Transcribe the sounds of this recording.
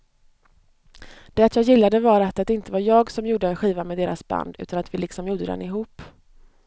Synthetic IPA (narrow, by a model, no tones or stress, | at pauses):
d̪̥ɛat̪jɑːɡjɪlːad̪əvaɾat̪ːat̪d̪ɛɪnt̪əvaɾjɑːɡsɔmjuːɖəɛnɧiːvamɛd̪eːɾasba̰nd̪ʉ̟ːt̪anat̪vɪlɪksɔmjuːɖ̪əd̪ɛ̰nɪɦuːp